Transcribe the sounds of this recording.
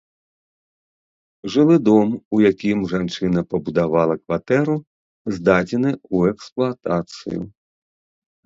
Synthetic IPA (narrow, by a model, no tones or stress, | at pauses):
ʐɨlˠɨd̪ɔmujakʲimʐant͡ʂɨnɐpɐbud̪avalˠɐkvat̪ɛɾu | zd̪ad͡zʲɛnɨuɛksplˠat̪at̪sɨ̰jṵ